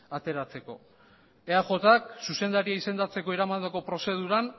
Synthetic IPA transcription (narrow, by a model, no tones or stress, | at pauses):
at̪e̞ɾat͡se̞ko̞̰ | eaʝo̞t̪aksuse̞nd̪aɾiaise̞nd̪at͡se̞ko̞eɾamand̪eko̞pɾo̞se̞ð̞uɾan